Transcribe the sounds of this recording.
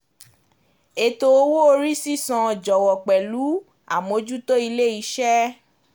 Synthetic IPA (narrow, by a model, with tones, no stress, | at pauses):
e˧to˧o˧wo˦o˧ɾi˦si˦sɔ̃˧˨d͡ʒɔ˨wɔ˨k͡pɛ˨lu˨˦ | a̰˦˨mo˨˧d͡ʒu˦to˦i˧le˦i˧˦ʃɛ˦